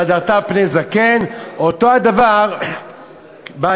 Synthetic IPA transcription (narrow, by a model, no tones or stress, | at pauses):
adaʁt̪apnezakenotoad̪avaʁ | ba